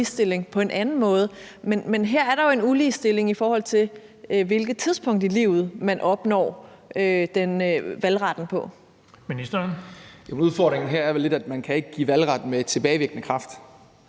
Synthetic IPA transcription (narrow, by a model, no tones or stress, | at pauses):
isd̥e̝le̝ŋpʰɒ̽e̝nʔænn̩mɔ̽ːð̞̩ˠmenmenɦeɐ̰æɐɾ̥ɑ̈joe̝nuliːsd̥e̝le̝ŋifɒːhɒ̽l̰t͡sʰe̝ | ʋe̝lɡ̥ð̩ˠt͡sʰið̞ˠspʰɔ̽ŋ̰d̥ilḭːʊ̰ð̞̩ˠmænʔɒ̽b̥nɒ̰ː | ød̥enʋælʁɑ̈d̥n̩pʰɒ̽ | minisd̥ɐnjomuðˠfɒd̥ʁeŋn̩ɦeɐæɐele̝d̥æd̥mænkʰæe̝ɡ̥əɡ̥ḭːʋælʁɑ̈d̥n̩mee̝d̥̚t͡sʰe̝b̥ɛːɪʋe̝ɡ̥ənəkʰʁɑ̈fd̥